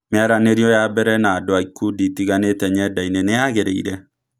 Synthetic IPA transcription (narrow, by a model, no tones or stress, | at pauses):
meaɾaneɾjɔjabɛɾɛnadoaikːuditiɣanetɛɲɛdaineneaɣeɾeḭɾɛ